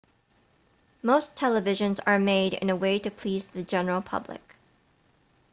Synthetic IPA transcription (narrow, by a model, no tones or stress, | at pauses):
moʊstʰɛlˠəvɪʒɨ̃nzə˞meɪɾɪ̰̃nəweɪɾɨpʰl̥izðɨd͡ʒɛnə˞l̩ˠpʰʌ̰blɪ̰k